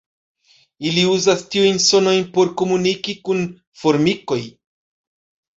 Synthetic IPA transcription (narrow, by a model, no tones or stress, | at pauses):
iliuzastiujnso̞no̞jnpo̞ɾko̞munikikun | fo̞ɾmiko̞j